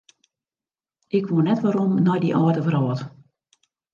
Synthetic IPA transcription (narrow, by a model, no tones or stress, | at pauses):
ʔɪkʋoənɛtʋaɾomnɔjdḭʔɔətəvərɔːt